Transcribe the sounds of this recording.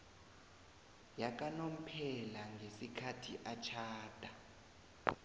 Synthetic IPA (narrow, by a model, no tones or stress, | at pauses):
jak̬ʼanom̩pʰɛlaŋɡʱesikʰatʰḭʔat͡ʃʰaːd̥ʱa